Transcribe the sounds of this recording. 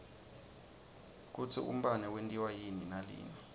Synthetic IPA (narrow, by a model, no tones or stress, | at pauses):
k̬ut͡sʰiʔṵm̩ɓanɛwentʼiwajininalḭːni